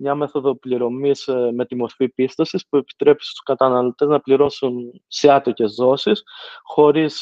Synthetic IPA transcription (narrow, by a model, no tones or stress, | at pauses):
mɲɐmeθo̞ðo̞pliɾo̞misme̞t̪imo̞ɾfipist̪ɐsispue̞pi̥t̪ɾe̞pi̥st̪u̥skɐt̪ɐnɐlo̞t̪e̞znɐpliɾo̞sun | seɐt̪oce̞zðo̞sisxo̞ɾis